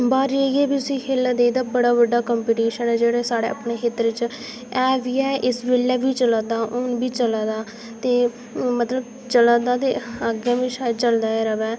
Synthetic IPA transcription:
baːɾeːɡeːbiːt̪ʊsĩːkʰeːld̪eːd̪aːbəɽaːbəɖaːkəmpiːʈiːʃənɛːd͡ʒeːɽeːsaːɽḛːʔə̰pɳeːɦet̪ɾɪt͡ʃ | ɛːʋiːɛːʔɪsʋeːlːɛːbiːt͡ʃəlaːd̪aːʔʊnbiːt͡ʃəlaːd̪aː | t̪eː | mət̪ləb | t͡ʃəlaːd̪aːt̪eːəɡjãːʋĩːʃaːd̪t͡ʃəld̪aːɛːɾəʋɛː

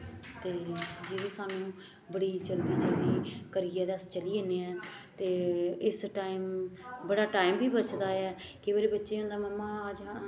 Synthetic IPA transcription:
t̪eːd͡ʒeɾiːsaːnũː | bəɽiːt͡ʃəld̪iːt͡ʃəld̪iːkəɾiːɛːd̪əst͡ʃəliːeːneːɛ̃ːt̪eːɪsʈaːimbəɽaːʈaːimbʱiːbət͡ʃd̪aːɛːkɪbəːɾeːbətːʃeːʊ̃nd̪aːməmːãːd͡ʒãː

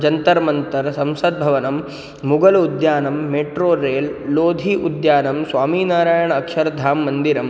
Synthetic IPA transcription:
d͡ʒɐnt̪ɐɾmɐnt̪ɐɾsɐmsɐd̪̚bʱɐʋɐnɐmː | uɡɐlud̪jaːnɐmːeːʈɾoːɾeːlːoːd̪ʱiːʔud̪jaːnɐmsʋaːmiːnaːɾaːjɐɳɐɐkʃɐɾɐd̪ʱaːmːɐnd̪iɾɐm

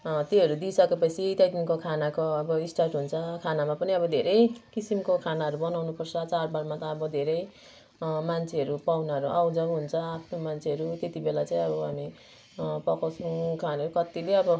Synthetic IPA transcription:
t̪eɦʌɾud̪isʌkepʌt͡sʰit̪jajd̪inkokʰanakoʌbʌisʈarʈɦunt͡sʰʌkʰanamapʌniʌbʌd̪ʱeɾʌjkisimkokʰanaʌɾubʌnawnupʌrt͡sʰʌt͡sarbaɽmat̪ʌːbʌd̪ʱeɾʌj | mant͡sʰeɦʌɾupawnaɦʌɾuʔawd͡zʌwɦunt͡sʰʌapʰnomant͡sʰeɦʌɾut̪et̪ibelat͡saĩʌbʌɦami | pʌkasʰũkʰanaʌɾukʌt̪ileʌbʌ

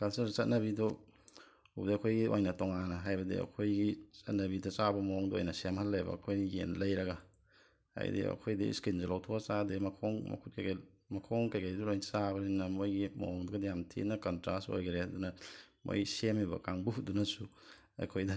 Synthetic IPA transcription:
kalsɐsɐt̚nɐbido | ub̚diɐkʰojɡiojnɐtɔŋanɐɦajbɐdḭɐ̰kʰojɡit͡ʃɐ̰t̚nɐbidɐt͡ʃabɐmɐɔŋdɔo̰jnɐsemhalːɐjbɐ̰ːkʰojdijḛnlɐjɾɐɡa | ha̰j̰dḭɐ̰kʰojdiḭskinzɐlawtʰoasademɐkʰoŋmɐ̰kʰut̚kajɡa | mɐkʰoŋkajkʰajduɾojnsabɐninɐmojɡimo̰oŋduɡɐdijamtʰḭtnɐkɐntɾaso̰jɡeɾedunɐmo̰jsemiβɐ̰kaŋbuɦut̚dunɐsu | ɐ̰kʰojdɐ

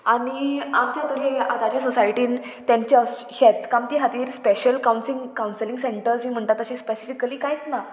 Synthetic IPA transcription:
aɽ̃iamt͡ɕat̪əɾeat̪ad͡ʑesɔsajʈiːnt̪jãɲt͡ɕaɕɛt̪kamt̪iːɦat̪iːɾspeɕəlkawnsiŋkawnsəlĩŋɡseɳʈəɾsmiːm̤əɳt̪at̪əɕẽspesifikːəliːkajt͡s̪na

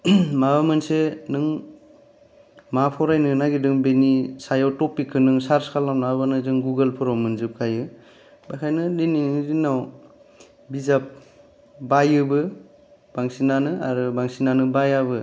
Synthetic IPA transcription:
mabamɯnsenɯŋ | mapʰɔwɾajnɯnaɡidɯŋbenisajawtɔpːikʰːɯnɯŋsaɾskʰalːamnabbanɯzɯŋɡuɡəlpʰɯɾɔwmɯnzɯp̚kʰajɯ | bajkʰajnɯliniidinːaw | bizap̚ | bajɯbɯ | b̥aŋsinanɯa̰ɾɯbaŋsinanɯbajaβɯ

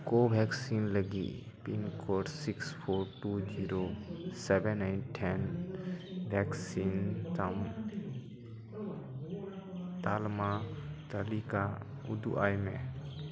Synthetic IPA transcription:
kobʱɛːksinləɡḭ | pinkʰoːɖsɪkspʰoːɾʈud͡ʒiɾosɛbɛnːaɪnʈʰːɛn | bʱɛksint̪əm | t̪aːlmat̪əlika | ʊ̰d̪ṵʔaːjmḛ̃

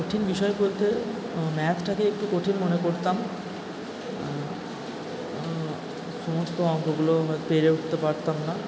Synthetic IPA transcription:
koʈʰinbiʃɔebolt̪e | mɛt̪ʰʈakeek̚ʈukoʈʰinmonekoɾt̪am | ʃɔmost̪oɔŋkoɡuloɦɔopeɾeuʈʰt̪epaɾt̪amna

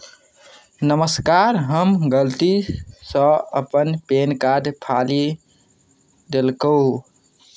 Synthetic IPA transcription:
nəməskaɾɦəmɡəlt̪isə̃əpənpenkad̪pʰali | d̪elkəu

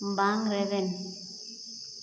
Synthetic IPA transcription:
mbaŋɾɛβɛn

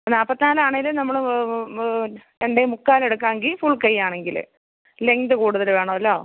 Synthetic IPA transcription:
naːpːɐt̪ːinaːlaːɳejilɨnɐmːɐɭ | eɳɖemukːaːle̞ɽukːaːŋɡilfuɭkɐjːaːɳe̞ŋɡil̰ | le̞ŋd̪ɨkuːɽuðɐlʋe̞ːɳɐmɐlːo̞ː

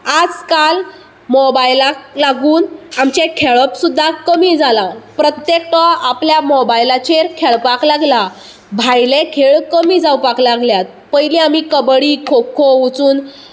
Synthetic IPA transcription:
ad͡zkal | mɔbajlaklaɡuːnamt͡ɕekʰeɭəpsud̪ʱːakəmiːd͡zʱalapɾət̪jek̚ʈɔapljamobajlat͡ɕeɾkʰeɭpaklaɡla | bʱajlekʰeɭkəmiːd͡zawpaklaɡljat̪̚pəjliamiːkəbɽiːkʰokʰout͡suːn

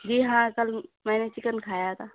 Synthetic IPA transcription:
d͡ʒiːɦãkəlmɛ̃ːnet͡ʃɪkənkʰaːjat̪ʰaː

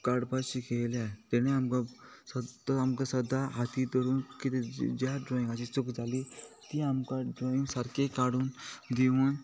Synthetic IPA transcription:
kaɽpasikʰelat̪eneamkast̪amkasʌd̪aɦat̪it̪ɔɾunkit̪id͡zaɖɾɔĩŋasit͡sukd͡zalit̪iamkaɖɾɔĩŋsaɾkekaɽund̪iwun

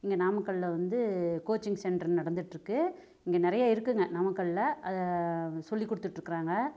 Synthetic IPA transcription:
ɪŋɡenaːmɐkːɐɭlɐʋɐnd̪ɯkoːt͡ʃːɪŋsɛɳɖɐnɐɽɐnd̪ɯʈːɾɯkːɯ | ɪŋɡenɪɾɐjaːɪɾɯkːɯŋɡɐnɐmɐkːɐɭlɐɐðsɔlːikːɔɽɯt̪ːɯʈːɪɾɯkːɪɾaːŋɡɐ

